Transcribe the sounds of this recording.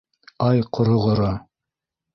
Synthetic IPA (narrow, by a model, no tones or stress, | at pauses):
ɑjqʰŏɾŏʁŏɾo